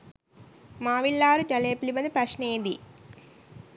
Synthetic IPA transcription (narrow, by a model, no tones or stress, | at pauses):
maːʋiɭːaːɾud͡ʒ̪ɐleːpilibɐd̪ipɾɐʃneːnd̪i